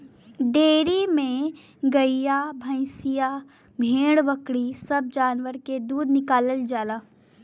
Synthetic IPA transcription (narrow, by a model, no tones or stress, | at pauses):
ɖeːɾimẽ | ɡəijabʱə̃ɪ̃sija | bʱẽːɽʋəkɽisɐb̚d͡ʒaːnʋəɾked̪uːd̪nɪkaːləld͡ʒaːlaː